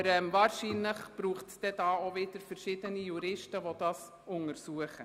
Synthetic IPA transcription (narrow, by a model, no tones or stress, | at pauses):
ɾɛmvaːɾʃiːnləχb̥ɾuːχtsd̥̪ɛdɑːoʋɪd̥əɾfəɾʃɪːd̥ənijuɾɪʃtəʋod̥ɑːs | ʊŋəɾsuəχə